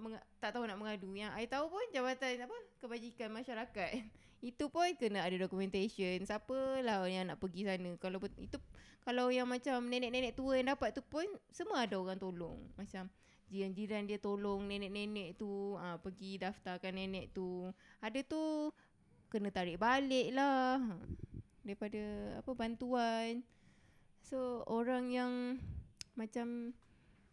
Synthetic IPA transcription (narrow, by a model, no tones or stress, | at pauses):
məŋat̪aʔt̪aɦunaʔməŋadujaŋajat̪aupʊnd͡ʒabat̪anaʔpʊnkəbad͡ʒikanmaʃaɾakat̪̚ | it̪upʊnkənaadadokumɛ̃nt̪asənsapəlahjaŋnaʔpəɡisanəkalawḭt̪ukalawjaŋmat͡ʃamnẽnɛ̃ʔnẽnɛ̃ʔt̪uəjaŋdapat̪̚ːupʊnsəmuəadaoɣaŋt̪olɔ̰ŋmat͡ʃam | d͡ʒiɾand͡ʒiɾandiət̪olɔŋnenɛ̃ʔnenɛʔt̪uəpəɡidaft̪akanːenɛʔt̪uadat̪u | kənə̃t̪aɾɪʔbalɪʔlah | daɾipadaa̰pəbant̪uan | sooɾaŋjaŋ | mat͡ʃam